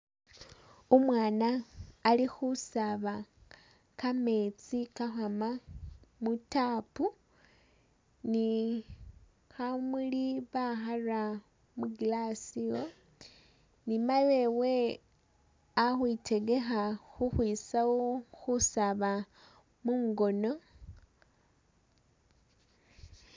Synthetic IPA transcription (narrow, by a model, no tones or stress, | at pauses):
omwaːnaːlixusaβa | kame̞t͡sikaxamamutapu | ni | xamuliβaxara | muɡilasio | nimale̞we̞ | axwite̞ɡe̞xaxuxwiːsawoxusaβa | muːŋɡo̞no̞